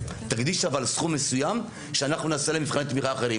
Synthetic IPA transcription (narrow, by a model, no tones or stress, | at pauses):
t̪aɡd̪iʃavalsχumːe̞sujam | ʃeanaχnunasalemifχanet̪miχaːχeʁi